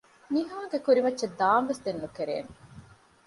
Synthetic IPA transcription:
niɦaːɡekuɾimɐtːʃed̪aːmʋesd̪enːukeɾḛːne

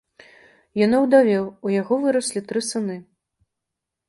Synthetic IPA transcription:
janɔwd̪avʲɛwujaɣɔvɨɾɐsʲlʲit̪ɾɨsɨnɨ

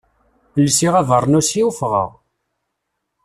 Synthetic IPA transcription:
lsiʁæðˤəɾˤnusiufʁə̰ʁ

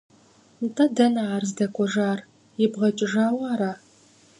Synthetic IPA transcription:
ntʰʼɐdɐnaaːrzdɐkʷʰʼɔʒaːr | jɪbʁɐt͡ʃʼɪʒaːwaːɾaː

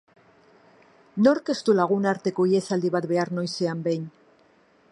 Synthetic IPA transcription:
no̞ɾke̞st̪ulaɣ̞unaɾt̪e̞ko̞ie̞sald̪iβat̪βe̞aɾno̞jse̞ambe̞jn

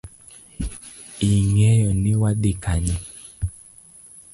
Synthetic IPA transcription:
iŋɛjɔnɪwaɗikaɲɛ

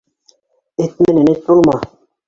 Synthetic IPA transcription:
et̪mĕnenet̪̚bolˠmɑ

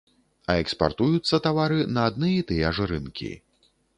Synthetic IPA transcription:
ɐɛkspa̰rt̪ujut̪sːɐt̪avaɾɨnɐːd̪nɨjit̪ɨjɛɐʐɨɾɨ̰nkʲḭ

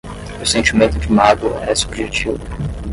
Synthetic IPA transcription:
ʊsẽnt͡ʃimẽnt̪ʊd͡ʒɪmaɡɐ̰ɛsubʒet͡ʃivʊ

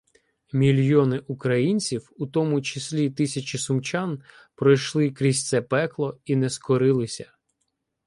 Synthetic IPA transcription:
mʲilʲjɔnɪʔukɾɐjinʲt͡sʲiwut̪ɔmʊt͡ʃɪsʲlʲit̪ɪsʲɐt͡ʃʲɪsʊmt͡ʃɑn | pɾɔjʃlˠɪkɾʲisʲt̪sɛpɛklˠɔinɛskɔɾɪlˠɪsʲɐ

